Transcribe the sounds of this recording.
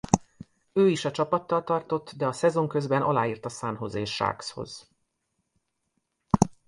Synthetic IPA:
øːiʃɒt͡ʃɒpɒt̪ːɒlt̪ɒrt̪o̞t̪ːd̪ɛɒsɛzo̞ŋkø̞zbɛnʔɒ̰laːiːrt̪ɒsaːnɦo̞̰zeːʃːa̰ːksho̞̰z̥

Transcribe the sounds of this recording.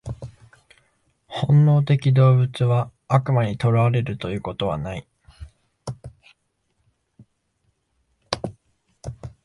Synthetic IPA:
hõ̞nːo̞ːt̪e̞kʲid̪o̞ːbɯ̟t͡sɨβaːkɯ̟maɲ̟it̪o̞ɾaaɾe̞ɾɯ̟t̪o̞jɯ̟ːko̞t̪o̞βa̰nai

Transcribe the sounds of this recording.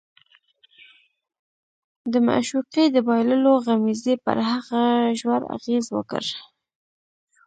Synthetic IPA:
d̪əma̰ʃuqid̪əbɑjləloɣamizepə̰ɾɦaɣaʒwaɾa̰ɣezwə̰kə̰ɾ

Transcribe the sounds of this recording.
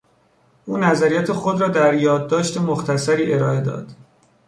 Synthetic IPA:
ʔuːnæzæɾijæt̪ʰexo̞d̪ɾɒːd̪æɾjɒːd̪̚ːɒːʃt̪e̞moxt̪ʰæsæɾiːʔe̞ɾɒːe̞d̪ɒ̰ːd̪̥

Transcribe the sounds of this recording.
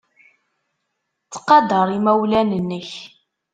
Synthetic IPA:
t͡sːə̥qːɑd̪əɾˤimæwlænənːəç

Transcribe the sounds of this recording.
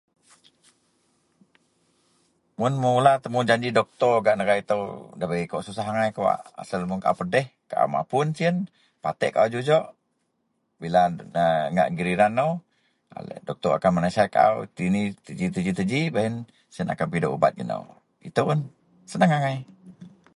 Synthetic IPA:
mʊnməulat̪əmud͡ʒaɲd͡ʒidɔk̚t̪ɔɡaʔnəɣait̪əwdabaikɔʔsusaɦaŋajkawa̰ʔa̰səlmuŋkaʔa̰wpədɛhkaʔa̰wma̰pʊnsiən | pat̪ɛ̰ʔkaʔawd͡ʒud͡ʒɔʔ | bilanəŋa̰ʔɡiɾiɾanːow | a̰lə̰dɔk̚t̪ɔa̰kanmənasajkaʔa̰wt̪init̪əd͡ʒit̪əd͡ʒit̪əd͡ʒibaɦin | siəna̰kanpidoʔuba̰t̪̚ɡə̰nə̰w | it̪əun | sənəŋaŋaij

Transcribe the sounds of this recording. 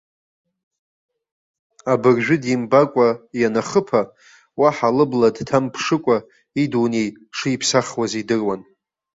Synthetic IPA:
abɨrʒᶣʊdimbakʷʼajanaχəpʰa | waħalɨbladtʰampʰʂɨkʷʼa | idunej | ʂɨipʰsaχwazidɨrwan

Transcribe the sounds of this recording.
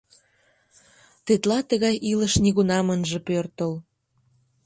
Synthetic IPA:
t̪et̪lɑt̪əɣɑjʔiləʃniɣunɑmənʒĕpørt̪əl

